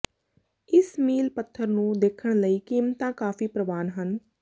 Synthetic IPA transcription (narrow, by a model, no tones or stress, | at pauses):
ɪsmiːlpət̪ʰːəɾnũːd̪eːkʰəɳ̃ləiːkiːmt̪ãːkaːfiːpɾəʋaːnɦən